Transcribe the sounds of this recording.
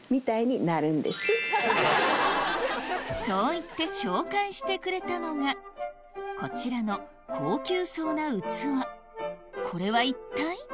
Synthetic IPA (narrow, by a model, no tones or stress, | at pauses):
mʲit̪aiɲ̟inaɾɯ̟̃nd̪e̞̰sɨ | so̞ːit̪ːe̞ɕo̞ːkaiɕi̥t̪e̞kɯ̟ɾe̞t̪ano̞ɡa | ko̞t͡ɕiɾano̞ | kʰo̞ːkʲɨːso̞ːnaɯ̟t͡sɨβa | kʰo̞ɾe̞βait̪ːai